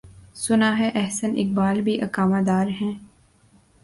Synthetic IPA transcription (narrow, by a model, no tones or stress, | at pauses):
sʊnaːɦɛʔɛɦsənʔɪ̰k̚baːlbʱiʔɐkaːmaːd̪aːɾɦɛ̃ː